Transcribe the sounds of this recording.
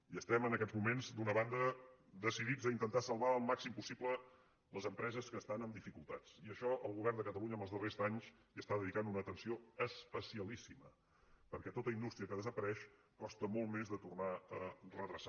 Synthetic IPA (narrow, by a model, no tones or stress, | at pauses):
iəst̪ɛmənəkɛd͡zmumenzd̪unəβand̪əd̪əsiðid͡zəint̪ənt̪asəlˠβaəlˠmaksimpusiplə | ləzəmpɾɛzəskəːst̪anəmd̪ifikulˠt̪at͡siəʃɔəlˠɣuβɛrnd̪əkət̪əluɲəməlˠzðərezaɲz | iəst̪aðəðikanunəːt̪ənsioəspəsiəlisimə | pəɾkɛt̪ot̪əind̪ust̪ɾiəkəðəzəpəɾɛʃ | kɔst̪əmolˠmezðət̪urnaərəðɾəsa